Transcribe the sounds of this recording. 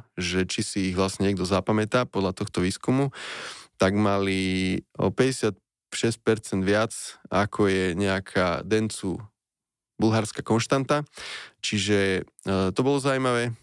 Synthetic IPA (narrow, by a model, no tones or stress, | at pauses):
ʒɛt͡ʃisiːɣʋlasɲɛɲɛɡd̪ɔzapamɛt̪aːpɔd̪lat̪ɔxt̪ɔʋiːskumut̪aɡmaliɔ̰pɛɟɛsɪat̪̚ | ʃɛsc̚pɛɾt͡sɛnd̪ʋɪat͡sakʰɔjɛɲɛakʰa̰ːd̪ɛnt͡su | bulɦaɾskakɔnʃt̪ant̪at͡ʃiʒɛ | t̪ɔbɔlɔzaumaʋɛː